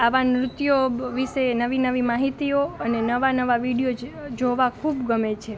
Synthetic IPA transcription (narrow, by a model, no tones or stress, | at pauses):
aʋamɾʊt̪joʋiʃenəʋinəʋimaɦit̪ioənenəʋanəʋaʋiɽijod͡ʒoʋakʰubɡəmet͡ʃʰe